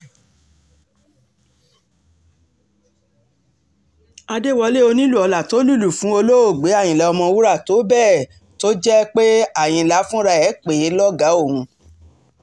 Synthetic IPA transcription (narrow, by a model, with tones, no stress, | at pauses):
a˧de˦˨wɔ˧le˦o˧nĩ˦lu˦˨ɔ˧la˨to˨˦lu˦˨lu˨fũ˨˦o˧lo˦o˦˨ɡ͡be˨˦a˦˨j̃ĩ˨lɛ˨˦ɔ˧mɔ̃˧wu˦ɾa˦˨to˨˦bɛ˦˨ | to˦d͡ʒɛ˦k͡pe˦a˦˨j̃ĩ˧˨la˨˦fũ˦ɾa˧ɛ˨˦k͡pe˨˦lɔ˦ɡa˨˦o˦˨hũ˨˧